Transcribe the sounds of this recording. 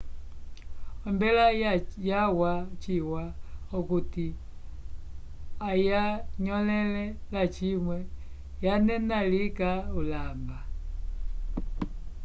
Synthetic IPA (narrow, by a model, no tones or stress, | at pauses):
ɔmbɛlajawat͡ʃiwaɔkuti | ajaɲɔlɛlɛlat͡ʃimwɛ | janɛnalikaulamba